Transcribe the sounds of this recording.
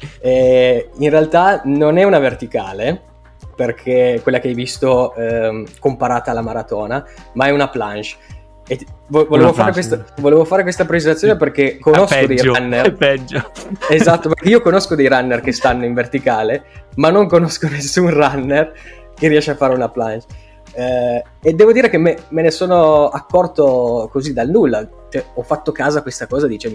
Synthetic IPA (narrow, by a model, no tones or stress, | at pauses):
ɛinrealt̪anonɛunavert̪ikaːle | perkʰekwelːakeajvist̪o | kompaɾaːt̪aːlːamaɾat̪ɔːnamaɛunaplant͡ʃ | evvolevofaːɾekwest̪voleːvofaːɾekwest̪apɾet͡ʃet̪at̪sjoneperkekːonoskod̪ejɾanːerpɛd͡ʒoezat̪ːopekeiːokonoskod̪ejɾanːerk̟est̪anːoiɱvert̪ikaːlemanːoŋkonoskonesːunranːer | keriɛʃeafːaːɾeunaplant͡ʃ | ed̪ːɛːvod̪iːɾekemːemenesoːnoakːɔrt̪okozid̪alnulːa | t͡ʃɛɔfat̪ːokaːzakwest̪akɔːzad̪iːt͡ʃemi